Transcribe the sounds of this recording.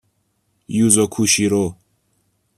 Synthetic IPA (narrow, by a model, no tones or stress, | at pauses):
juzɔkʰuɕiɾo